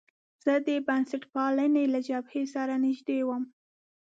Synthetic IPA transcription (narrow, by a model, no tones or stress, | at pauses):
z̥əd̪əbansaʈpɑlənelad͡ʒabhesaɾanɪʒd̪ewəm